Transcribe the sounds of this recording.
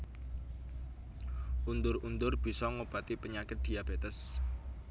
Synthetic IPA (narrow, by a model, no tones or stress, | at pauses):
ʔund̪ʊrund̪ʊrb̥i̤sɔŋob̥a̤t̪ipəɲakɪt̪̚d̪̥i̤ab̥et̪əs